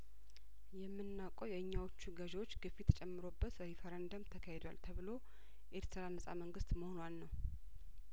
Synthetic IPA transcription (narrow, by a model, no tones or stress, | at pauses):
jɛmːɨnːawkʼəwjɛɨɲːawot͡ʃːuɡəʒwo̞t͡ʃːɡɨfːit̪ʰə̥t͡ʃʼɛmːɨɾo̞bːət̪əhifəɾənd̪əmt̪ʰəkʰahed̪walt̪ʰəβɨlo̞ | ʔeɾt̪ʰəɾalnɨsʼa̰məŋɡɨst̪məhonwanːəw